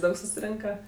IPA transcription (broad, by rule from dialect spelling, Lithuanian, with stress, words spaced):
ˈdɐʊk sʊsʲɪˈrʲɪŋkɐ